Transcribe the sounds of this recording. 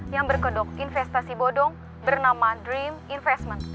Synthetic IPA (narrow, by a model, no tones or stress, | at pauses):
jaŋbərkədɔkinfɛst̪asibodɔŋ | bərnamadɾiminfɛst̪mən